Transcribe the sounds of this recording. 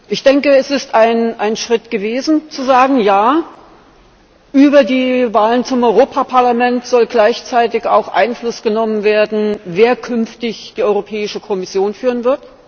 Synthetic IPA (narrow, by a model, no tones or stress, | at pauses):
ʔɪçd̥ɛŋkəɛsɪstaɪnʔaɪnʃʁ̥ɪtɡ̥əveːzn̩t͡suzaːɡŋ̩jaː | ʔyːbɐdiːvaːlənt͡sʊmʔɔʏʁoːpʰapʰaɐlamɛntz̥ɔlɡlaɪçt͡saɪtɪça̰ʊxʔa̰ɪnflʊsɡ̥ənɔmənveːɐdn̩veːɐkʰʏnftɪçd̥iːɔʏʁopʰɛːɪʃəkʰɔmɪsjoːnfyːʁənvɪɐt